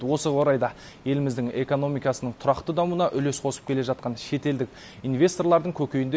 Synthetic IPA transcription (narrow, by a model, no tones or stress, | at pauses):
wo̞səwo̞ɾɑjd̪ɑ | je̞lɪmɪzd̪ɪŋe̞ko̞no̞mijkɑsənəɴt̪ʰʊɾɑqt̪əd̪ɑmuənɑʔʏle̞sqʰo̞sə̥p̚kʲe̞le̞ʒɑt̪̚qɑnʃe̞t̪e̞ld̪ɪk̚ | invʲe̞st̪o̞rlˠɑɾd̪əŋkʲʰɵkʲe̞jɪnd̪e